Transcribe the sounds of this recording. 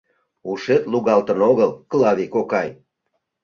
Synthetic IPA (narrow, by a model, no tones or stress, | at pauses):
uʃet̪luɣɑlt̪ənoɣəlklɑβikokɑj